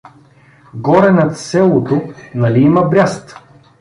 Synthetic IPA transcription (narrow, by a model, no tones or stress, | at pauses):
ɡɔɾɛnɐt̪sɛlˠot̪onɐliimɐbɾʲast̪